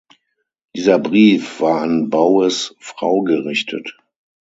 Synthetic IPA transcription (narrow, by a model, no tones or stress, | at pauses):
d̥iːzɐbʁiːfv̥aːɐanbaʊəsfʁ̥a̰ʊɡəʁɪçtʰə̰t